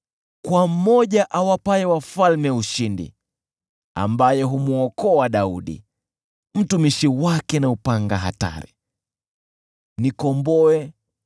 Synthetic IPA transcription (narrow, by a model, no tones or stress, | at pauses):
kwamɔʄaʔawapaɛwafalmɛuʃindḭ | a̰mbajɛɦumuɔkɔaɗauɗḭ | m̩tumiʃiwakɛnaupaŋɡaɦa̰ta̰ɾḭ | nikɔmbɔɛ